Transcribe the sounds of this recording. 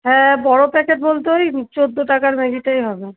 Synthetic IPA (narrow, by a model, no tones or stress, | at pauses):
ɦɛ̃bɔɽopɛkeʈ̚bolt̪eojt͡ɕod̪ːoʈakaɾmeɡiʈajɦɔbe